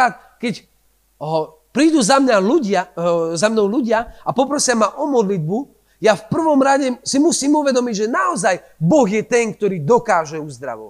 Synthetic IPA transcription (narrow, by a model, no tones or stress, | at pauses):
aːt̪̚ | kɛc | pɾiːd̪uzamɲaluɟɪazamnɔʊluɟɪaapɔpɾɔsɪamaʔɔmɔd̪lid̪̚bu | jafpr̩ʋɔmɾaɟɛsimusiːmuʋɛd̪ɔmiɟʒɛnaɔzaj | bɔɣjɛt̪ɛŋk̚t̪ɔɾiːd̪ɔkaːʒɛuzd̪ɾa̰ʋɔ̰ʋa